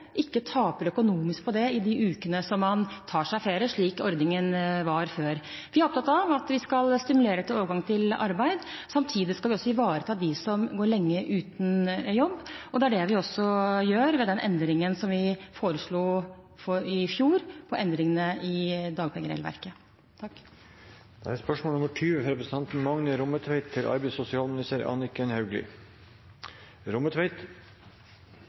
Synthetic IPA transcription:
ʔɪkːət̪ʰɑːpəɾœkʊnuːmɪsk̚pʰɔd̪ɛɪd̪ɪʔʉːkənəsɔmːɑnt̪ʰɑːʂæɪfeːɾəʂɭiːkɔɾd̪nɪŋənʋɑɾføːɾʋɪhɑɾɔpt̪ʰɑt̪ːɑʋɑt̪ʋɪskɑlst̪ɪmʉleːɾɛt̪ːəoːʋəɾɡɑŋt̪ʰɪlɑ̰ɾbæɪd̪sɑmt̪ʰiːd̪ɪskɑlʋɪɔsːɔɪʋɑːɾət̪ʰɑːd̪ɪsɔmɡoːɾɭɛŋːəʔʉːt̪njɔbːɔd̪ɛæɖɛʋɪɔsːɔjøːɾʋɛd̪ɛnʔɛ̰nd̪ɾɪŋənsɔmʋɪfoːɾəʂɭuː | fɔɾɪfjuːɾpʰɔʔɛnd̪ɾɪŋənəɪd̪ɑːɡpʰɛɡəɾɛ̰lʋæ̰ɾkə | t̪ʰɑkː | d̪̥ɛæɾspœʂmoːnʊməʈʰyːʋɾɛpɾəsət̪ʰɑnt̪n̩mɑŋnəɾʊmət̪ʰʋæɪt̪ʰːɪlʔɑ̰ɾbɛɪsʊsɪɑːlmnɪst̪æːɾɑ̰ːnɪkːɛnhɑʉɡlɪ̰ | ɾʊmət̪ʰʋæɪt̪

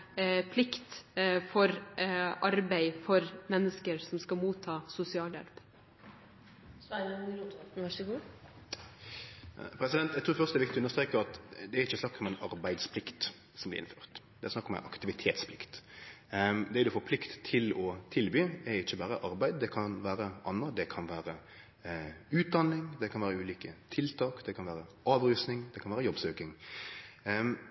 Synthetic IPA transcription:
pʰlɪkt̪fɔɾʔɑɾbæɪfɔɾmɛnːəskəɾsɔmskɑmuːt̪ʰːɑːsʊsɪɑːljɛ̰lp | sɔæuɾut̪ʰʋæʂəɡuː | pʰɾɛsɪd̪ɛnt̪d̪ɛt̪ʰːfœʁst̪əɛʋɪkt̪ɪɔʉnəst̪ɾeːkəʁɑt̪d̪ɛæɾɪçːəsnɑkːɔmɛnɑɾbæɪd̪spʰlɪkt̪ | sɔmblɪ̰ɾɪ̰nfø̥ːʁt̪d̪ɛæsnɑkːɔmɛ̰nʔɑ̰kt̪ɪʋɪt̪ʰeːt̪spʰlɪkt̪ | d̪ɛæɾd̪ʊfɔpʰlɪkt̪t̪ʰːɪlɔt̪ʰɪlbyːɛɾɪçːəbɑːɾəʔɑɾbæɪd̪̚d̪ɛkʰɑnʋæːɾəʔɑnːəd̪ɛkʰɑnʋæːɾə | ʉːt̪̚d̪ɑnːɪŋd̪ɛkʰɑnʋæːɾəʉːliːkət̪ʰɪlt̪ʰɑːkd̪ɛkʰɑnʋæːɾəʔɑːʋɾʉːsnɪŋd̪ɛkʰɑnʋæːɾəjɔbsøːkɪŋ

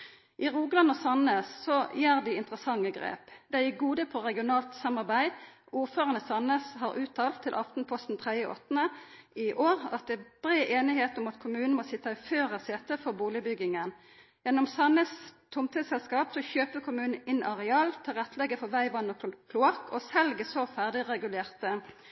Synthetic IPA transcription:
ʔɪʁuːɡlɑnɔsɑnəssɔjæːʁd̪ɪɪnt̪ʁəsɑŋːəɡʁḛːpd̪ɛɪɡuːd̪əpʰɔʁɛɡɪʊnɑːlt̪sɑmɑʁbæɪ | uːʁføːʁɑnəsɑnəsɦɑʁʉːt̪ʰɑːlt̪ʰːɪlʔɑft̪n̩pʰɔst̪n̩t̪ʰʁɛd̪əʔɔ̰t̪ːnəɪʔoːʁɑ̰t̪̚d̪ɛb̥ʁeːʔeːnɪheːt̪ɔmɑt̪kʰʊmʉːnəmɔsɪt̪ːɑɪføːʁəseːt̪əfɔʁbuːlɪbʏɡɪŋən | jɛnːɔmsɑnəst̪ʰʊmt̪ʰisɛlskɑːpsɔçøːpəkʰʊmʉːnn̩ɪnʔɑʁɛɑːlt̪ʰɪlʁɛt̪ːlɛɡːəfɔʁʋæɪʋɑnɔkʰlʊɑkʰɔsɛlɡəsɔfæʁd̪ɪʁɛɡʉleːʁt̪ə

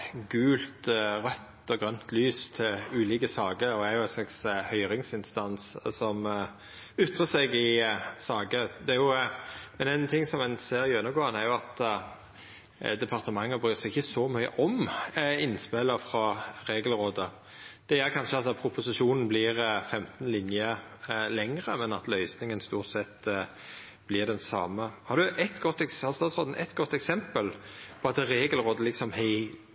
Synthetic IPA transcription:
ɡʉːlt̪ʁœt̪ːɔɡʁœnt̪ʰlyːst̪ʰɪlʉːliːkəsɑːɡəɾɔd̪ɛæɾjʊæɪnslɑkshœʏɾɪŋsɪnst̪ɑnssɔm | ʏt̪ːʁəsɛɡɪsɑːɡəd̪ɛæɾjʊmɛnæɪnt̪ʰɪŋːsɔmɛnseːɾɪjʉnːəɡoːʁənæɾjʊɑt̪ | d̪ɛpʰɑʁt̪əmɑŋːəbʁyːsɛɪçəsɔmœʏə̰ʔɔmɪnspɛləfɾɑʁeːɡəlʁoːd̪ə | d̪̥ɛjøːɾkʰɑnʃəɑt̪d̪ɛpʰɾʊpʊsɪʂuːnn̩blɪʁfɛmt̪n̩lɪnjə | lɛŋʁəmɛnɑ̰t̪lœʏsnɪŋənst̪uːʁt̪sɛt̪ː | b̥lɪʁd̪ɛnsɑ̰ːməhɑʁɾd̪ʉʔɛt̪ɡɔt̪ːɛksɑst̪ɑːt̪sʁoːd̪n̩ʔɛ̰t̪ːɡɔt̪ːɛksɛmpəlpʰɔɑt̪ɾeːɡəlʁoːd̪əlɪksɔmhɛɪ

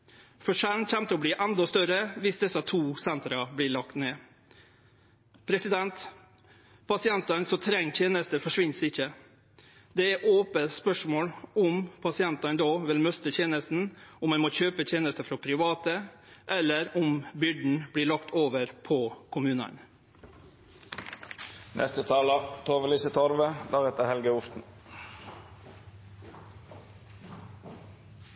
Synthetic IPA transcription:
fɔʂænçɛmt̪əɔbliːʔɛnd̪ɔst̪œɾəʋɪsd̪ɛsːət̪ʰuːsɛnt̪ɾɑbliːɭɑkt̪neː | pʰɾɛsɪd̪ɛnt̪ | pʰɑsɪɛnt̪ɑnsɔt̪ʰɾɛŋːt̪ʰjeːnəst̪əfɔʂʋɪnsɪçːə | d̪ɛæʔoːpəspœʂmoːɽʊmpʰɑsɪɛnt̪ɑnd̪oːʋɪlmœst̪ət̪ʰjeːnəst̪n̩ʊmːɛnmoːçøːpət̪ʰjeːnəst̪əfɾɔpʰɾɪʋɑːt̪ə | ʔɛlːəɾʊmbʏɖɳ̩bɽiːɭɑkt̪ʰoːʋəɾpʰɔkʰʊmʉːnɑ̰n | nʔɛ̰st̪ət̪ʰɑːlɑt̪ʰoːʋəliːsət̪ʰɔɾʋəd̪ɑʁɛt̪əhɛlɡəʊft̪n̩

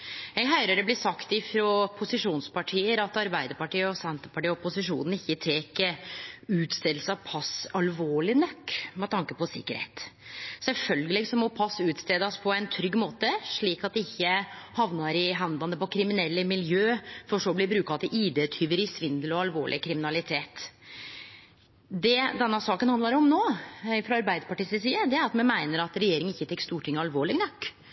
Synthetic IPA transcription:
jɛɡɦœʏɾəɾɛblɪsɑkt̪ɪfɾoːpʰʊsɪʂuːnspʰɑʈʰiːəɾɑt̪ɑɾbæɪd̪əɾpɑʈiːəɔsɛnt̪əɾpɑʈiːəɔpʊsɪʂṵːnn̩ɪçːət̪ʰeːkəʉːt̪st̪eːd̪l̩səɑʋpʰɑsɑlʋoːɭɪnɔkːmɛt̪ʰɑŋkəpɔsɪ̰kːəɾhḛːt̪sɛlfœlɡəlɪɡsɔmɔpʰɑsːʉːt̪st̪eːd̪ɑspʰɔɛnt̪ʰɾʏɡːmoːt̪əʂɭiːkɑt̪̚d̪ɛɪçːəhɑʋnɑɾɪɦɑnd̪ɑnəpɔkʰɾɪmɪnɛlːəmɪljøːfɔʂɔblɪbɾʉːkɑɑt̪̚d̪ɛʔiːd̪ɛt̪ʰyːʋəɾɪsʋɪnd̪əlɔɑlʋo̰ːɭʔɪ̰kʰɾɪmɪnɑlɪt̪ʰeːt̪ | d̪ɛd̪ɛnːəsɑːkənhɑnd̪lɑɾɔmnoːfɾɑɑɾbæɪd̪əɾpɑʈiːsɪsiːəd̪ɛæɾɑt̪mɛnmæɪnəɾɑt̪ɾɛjeːɾɪŋənɪçːət̪ʰɛkst̪uːʈʰɪŋːəɑlʋoːɭɪɡnɔkː

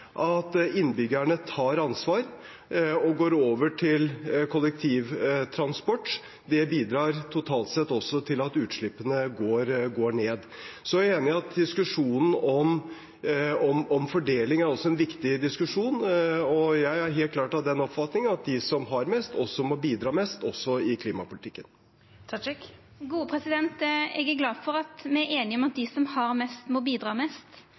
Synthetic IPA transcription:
ʔɑt̪ɪnːbʏɡəɳət̪ʰɑːɾɑnsʋɑːɾ | ɔɡoːɾoːʋəʈʰɪlkʰʊlɛk̚t̪ʰiːʋt̪ʰɾɑnspɔʈː | d̪ɛbiːd̪ɾɑːɾt̪ʰʊt̪ʰɑːlt̪sɛt̪ːɔsːɔt̪ʰɪlɑt̪ʉːt̪ʂɭɪpːənəɡoːɾɡoːɳeːd̪ | sɔjæeːnɪɑt̪̚d̪ɪskʉʂuːnn̩ɔm | ɔmɔmfɔɖeːlɪŋæɾɔsɔɛnʋɪkt̪ɪd̪ɪskʉʂuːnɔjæɪæɾɦeːlt̪klɑːʈɑʋd̪ɛnɔpfɑt̪nɪŋənɑt̪̚d̪ɪsɔmɦɑɾmɛst̪ɔsːɔmobiːd̪ɾɑːmɛst̪ɔsːɔɪkʰliːmɑpʰʊlɪt̪ʰɪkːən | t̪ʰɑk | ɡuːəpʰɾɛsɪd̪ɛnt̪ɛɡæɾɡlɑːd̪fɔɾɑt̪mɛæɾeːnɪɔmɑt̪̚d̪ɪsɔmhɑɾmɛst̪mobiːd̪ɾɑːmɛst̪

